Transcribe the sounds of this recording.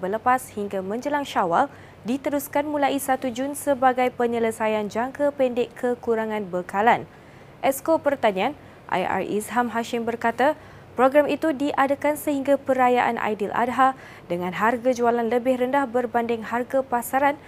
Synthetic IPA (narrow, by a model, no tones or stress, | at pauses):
bələpashiŋɡamə̃ɲd͡ʒəlaŋʃawal | dit̪əɾuskanmulaisat̪ud͡ʒʊnsəbaɡajpəɲələsajand͡ʒaŋkapɛndɪkʰːəkuɾaŋãnbəkalan | ʔɛskopərt̪aɲãan | ʔa̰ja̰rḭsɦamɦaʃɪmbərkat̪a | pɾoɡɾamit̪udiʔadakansəhiŋɡapəɾajaʔa̰nʔa̰jdilʔa̰dɦa | dəŋãnɦarɡad͡ʒualanləbɪhrəndahbərbandɪŋharɡapasaɾan